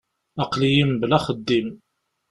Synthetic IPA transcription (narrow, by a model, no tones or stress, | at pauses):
ɑqlijəmblæχəd̪ːim